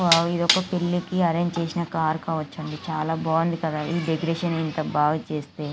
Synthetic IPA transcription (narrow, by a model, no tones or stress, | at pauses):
ʋaid̪ɔkːɐpeɭːikiɐɾeɲd͡ʒt͡ʃe̞ːsinɐkaːɾkaːʋɐt͡ʃːɐɳɖit͡ʃaːlaːbaːɐnd̪ikɐd̪aːʔiːɖeɡɾeːʃɐnint̪ɐbaːɡɐt͡ʃeːst̪e̞ː